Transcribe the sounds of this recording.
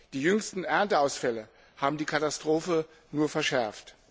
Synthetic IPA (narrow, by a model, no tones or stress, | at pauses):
d̥iːjʏŋstn̩ʔɛɐntəaʊsfɛlə | haːbm̩diːkʰatastʁ̥oːfə | nuːɐfɛɐʃɛɐft